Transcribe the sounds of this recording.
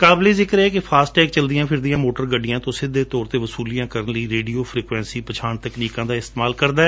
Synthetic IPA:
kaːbleːzɪkəɾɛːkepʰaːsʈʈɛːkt͡ʃəld̪ɪjãːpʰɪɾd̪ɪjãːmoːʈəɾɡəɖɪjãːt̪õːsɪd̪ːeːt̪ɔːɾt̪eːʋəsuːlijãːkəɾənləiːɾeːɖioːpʰɾiːkʋɛ̃ːnsiːpət͡ʃʰaːɳt̪əkniːkãːd̪aːɪst̪eːmaːlkəɾd̪aːɛː

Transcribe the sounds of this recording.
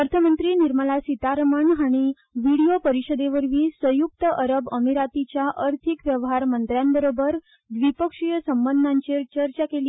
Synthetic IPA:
əɾt̪ʰəmənt̪ɾiːniɾməlasit̪aɾməɳɦaɽ̃i | ʋiɽijopəɾiɕəd̪eʋəɾʋiːsəjuk̚t̪əʔəɾəbəmiɾat̪it͡ɕjaʔəɾt̪ʰikʋjəʋɦaɾmənt̪ɾjambəɾobəɾ | d̪ʋipəkʂijəsəmbənd̪ʱãɲt͡ɕeɾt͡ɕəɾt͡ɕakeli

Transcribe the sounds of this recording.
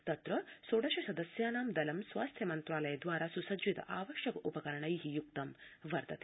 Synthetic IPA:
t̪ɐt̪ɾɐsoːɽɐʃɐsɐd̪ɐsjaːnaːmd̪ɐlɐmsʋaːst̪ʰjɐmɐnt̪ɾaːlɐjɐd̪ʋaːɾaːsusɐd͡ʒʋit̪ɐ̰ʔaːʋɐʃjɐkɐʔupɐkɐɾɐɳɐiɦijuk̚t̪ɐmʋɐɾt̪ɐt̪e

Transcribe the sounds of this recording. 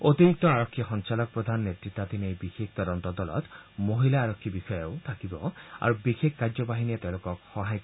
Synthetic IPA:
ot̪iɾik̚t̪ɔaɾɔkʰːixɔnt͡ʃalɔk̚pɾɔd̪ʱanɔːet̪ɾit̪ːad̪ʱinejbixek̚ʰt̪ɔɾɔnt̪ɔd̪ɔlɔ̰t̪moɦilaːɾɔkʰːibixɔjewt̪ʰakibɔa̰ɾubixekʰkaɾd͡ʒɔbaɦiniat̪ew̃lokɔkxɔɦaj

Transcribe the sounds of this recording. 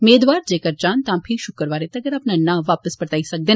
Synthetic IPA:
meːd̪ʋaːɾd͡ʒeːkəɾt͡ʃãnt̪ãːpʰiʃʊkəɾʋaːɾet̪ɐɡəɾapnanːaʋaːpəspəɾt̪aisək̚d̪e

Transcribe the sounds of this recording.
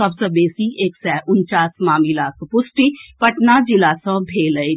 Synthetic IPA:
ɐbsebeːsiʔeːksɛʔʊnt͡ʃaːsmaːmilaːspʊsʈipɐʈnad͡ʒilaːsə̃bʱeːləi

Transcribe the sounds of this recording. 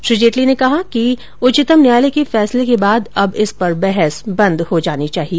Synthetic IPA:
ʃɾiːd͡ʒeːʈlinekɐɦaki | ʊt͡ʃɪt̪əmnjaːlekefɛːslekebaːd̪ɐbɪspɐɾbɛɦɛsbɐ̃nd̪hod͡ʒaːnit͡ʃaːɦieː

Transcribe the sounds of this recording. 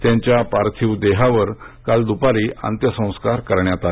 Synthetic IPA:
t̪jãɲt͡ɕjapaɾt̪ʰiwd̪eɦaʋəɾkald̪upaɾiːʔa̰nt̪jəsə̃w̃skaɾkəɾɳjat̪a

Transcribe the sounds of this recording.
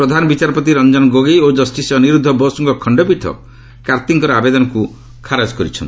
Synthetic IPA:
pɾɔd̪ʱanɔbit͡ʃaɾɔpɔt̪̬iɾɔnd͡ʒɔnɔɡoɡejod͡ʒɔsʈisjɔniɾud̪ʱːɔbɔsuŋkɔkʰɔɳɖɔpit̪ʰɔ̰ | kaɾt̪iŋkɔɾɔabed̪ɔnɔku | kʰaɾad͡ʒkɔɾit͡ʃʰɔ̰nt̪i

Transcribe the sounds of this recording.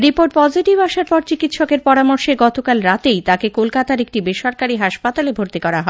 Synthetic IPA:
ɾipoɾʈ̚pɔd͡ʑiʈibaʃaɾpɔɾt͡ɕikit̪ʃɔkeɾpɔɾamoɾʃeɡɔt̪okalɾat̪ejt̪akekolkat̪aɾek̚ʈibeʃɔɾkaɾiɦaʃpat̪alebʱoɾt̪ikɔɾaɦɔe

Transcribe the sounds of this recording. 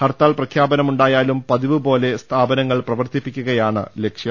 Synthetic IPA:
hɐrt̪aːlprɐkʰjaːbɐnɐmuɳɖaːjaːlumpɐðiʋɨbo̞ːle̞st̪ʰaːbɐnɐŋːɐɭprɐʋɐrt̪ipːikʲːuɣɐjaːɳɨ̰lekʂjɐm

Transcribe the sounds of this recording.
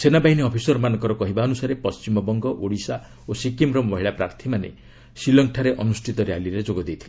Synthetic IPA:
senabaɦiniɔpʰisɔɾmanɔ̃ŋkɔɾɔkɔɦibaɔnusaɾepɔst͡ʃimɔbɔŋɡɔʔoɽisa | osikimɾɔmbɔɦiɭapɾaɾt̪ʰimanḛ | silɔŋʈʰaɾeʔɔnusʈʰit̪ɔɾejaliɾed͡ʒoɡɔd̪ejt̪ʰile

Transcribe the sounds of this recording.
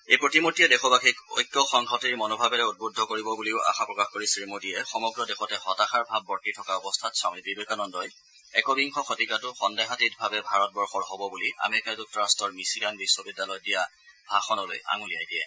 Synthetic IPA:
ejpɹotimotijɛdɛxɔbakʰiko̰jkːɔxɔŋɡʰʱɔtiɹmɔnɔbʱabɛɾɛut̚bodʱːɔkoɹibɔbuliʊʔa̰xapɹɔkaxkoɹisɹimodiɛxɔmɔɡɹɔdɛxɔtɛxɔtaxaɹbʱabːɔɹtitʰɔkaɔbɔstʰatsãʊ̃ebibekanɔndɔj | ɛkɔbiŋkʰɔxɔtikatʊxɔndaɦatitbʱabɛbʱaɹɔt̚bɔɹxɔɹɦɔbɔbulia̰meɹikaduk̚tɔɹastɔɹmisiɡanbiswɔbidːalɔjdija | bʱaxɔnɔlo̰jʔa̰ŋulijajdiɛ̰

